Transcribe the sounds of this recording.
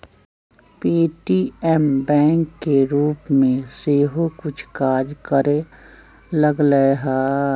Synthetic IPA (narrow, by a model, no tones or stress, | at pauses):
piːʈiːɛmbɛ̃ːŋkːeɾuːpmẽseːɦokʊt͡ʃʰkaːd͡ʒkəɾe | ləɡləeɦaː